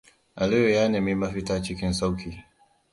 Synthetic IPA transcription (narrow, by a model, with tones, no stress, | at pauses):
ʔa˨lɪ˦jo˨jaː˦ne˨mi˦mɐ˦ɸɪ˦taː˦t͡ʃɪ˦kʲɪ˦nsa˦wkʲiː˨